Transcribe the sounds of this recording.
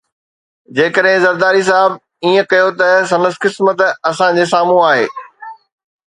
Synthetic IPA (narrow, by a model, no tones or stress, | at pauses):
d͡ʑeːkəɗɦɪ̃zɐɾd̪aːɾis̬aːɦɪb | iːə̃kɐjot̪ɐs̬ɐ̃nəskɪsmət̪ɐsãd͡ʑeːsaːmũaːɦḛː